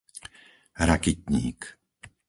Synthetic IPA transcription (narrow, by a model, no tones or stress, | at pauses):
ɾakit̪ɲḭːk